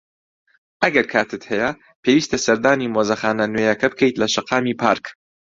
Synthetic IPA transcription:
ʔɐɡɐɾkʰaːt̪ʰɨt̪hɛjɐ | pʰeːwiːst̪ʰɐsɐɾd̪aːniːmoːzɐxaːnɐnwejɐkɐbɨkʰejt̪lɐʃɐqɑːmiːpʰa̰ːɾk

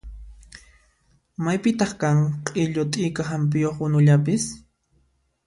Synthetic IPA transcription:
majpɪt̪ɑχkaŋqʼɪʎʊt̪ʼɪjkaɦamp̬ɪjoχwʊnʊʎapɪs

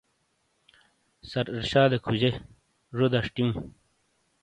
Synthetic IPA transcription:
sɐɾiɾɕaːd̪ekʰud͡ʑe | ʐod̪aʂʈim

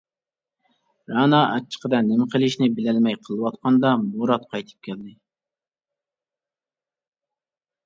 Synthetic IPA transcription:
ɾɑnɑʔɛt͡ʃʰːə̥qʰəd̪ɛnɪmɪqʰəlˠɪʃnɪbɪlælmɛjqʰəlˠɨwɑt̪qʰɑnd̪ɑmoɾɑt̪̚qʰɑjt̪ʰɨ̥p̚kʲʰɛld̪ɪ

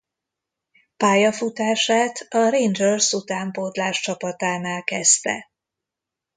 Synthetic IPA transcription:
paːjɒfut̪aːʃaːt̪ɒɾend͡ʒørsut̪aːmpoːd̪laːʃt͡ʃɒpɒt̪aːnaːlkɛst̪ɛ̰

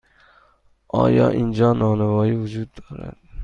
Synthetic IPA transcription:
ɒ̰jɒ̰ʔɪnd͡ʒɒnːɒnɪvɒjɪvʊd͡ʒʊd̪̚d̪oɾa̰d̪ɪ

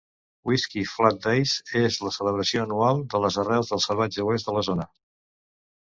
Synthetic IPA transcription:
wiskiflat̪̚d̪ejzezləsələβɾəsioənualˠd̪ələzərɛwzðəlˠsəlˠβ̞ad͡ʒəwezd̪ələzonə

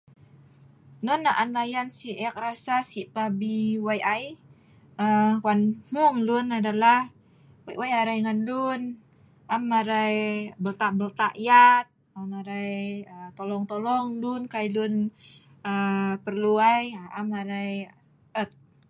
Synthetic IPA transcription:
nɔnaʔanajansiʔɛk̚ɾasasipabiwajʔaj | əkwanhuŋlunadalah | wajwajaɾajŋandun | amːaɾajbəlt̪aʔbəlt̪aʔjat̪̚ | amaɾajət̪olɔŋt̪olɔŋdunkajdun | əpərluajaamaɾaj | ət̪̚

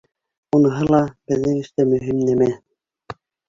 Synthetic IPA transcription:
unɤ̆ɦɤlˠɑb̥ɘ̆ðːɘŋɘ̆ʃt̪æmɵ̆ɦimnæmæ

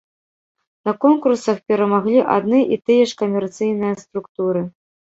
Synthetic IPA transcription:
nɐkɔnkursɐxpʲɛɾɐmaɣlʲiʔa̰d̪nɨʔit̪ɨjɛʂkɐmʲɛrt̪sɨjnɨjɐst̪ɾukt̪uɾɨ

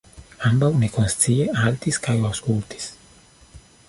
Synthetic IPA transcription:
ambawnekonst͡sieʔalt̪iskajawskult̪i̥s

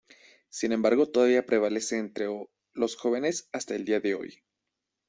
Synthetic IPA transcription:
sinẽ̞mbaɾɣo̞t̪o̞ðaβiapɾe̞β̞ale̞se̞ːnt̪ɾe | lo̞sxo̞β̞e̞ne̞sast̪ae̞ld̪iaðe̞o̞̰j

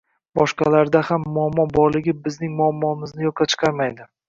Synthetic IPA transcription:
bɒʃqɑlaɾd̪ahamːʊamːɒbɒɾlˠɪɡʲɪbɪznɪŋmʊamːɒɪmɪznɪjɒqʰɑt͡ʃʰɨ̥qʰɑɾmajd̪ɪ

